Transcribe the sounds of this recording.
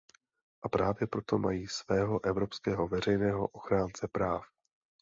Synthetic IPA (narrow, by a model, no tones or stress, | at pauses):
ʔapɾaːvjɛpɾo̞t̪o̞ma̰jiːsvɛːɦo̞ʔɛvɾo̞pskɛːɦo̞vɛr̝ɛjnɛːɦo̞̰ʔoxɾaːnt͡sɛpɾaːf